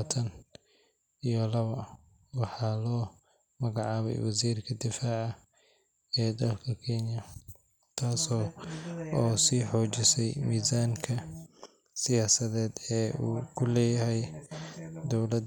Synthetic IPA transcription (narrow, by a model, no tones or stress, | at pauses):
t̪ʰɐn | ijɔlɐβɐ | wɑħɑːlɔː | mɐɣɑʕɑːβɛ̰jwɑsiːrkʰɐd̪ɪfaːʕɐ | ɛːd̪ɐlkʰɐkʰɛnjɐ | t̪ʰaːsɔː | ɔːsiːħɔːt͡ʃɪsɛjmiːzaːŋkʰɐ | sɪjaːsɐðɛːd̪ɛːuːkʰʊlɛːjɐɦɛj | d̪ɔwlɐd̪